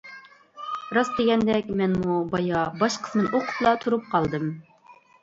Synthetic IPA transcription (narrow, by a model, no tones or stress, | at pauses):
ɾɑsd̪ɪɡʲɛnd̪ɛkʲmɛnmubɑjɑbɑʃqʰə̥smɨnoqʰʊ̥plˠɑt̪ʰuɾup̚qʰɑlˠd̪ɨm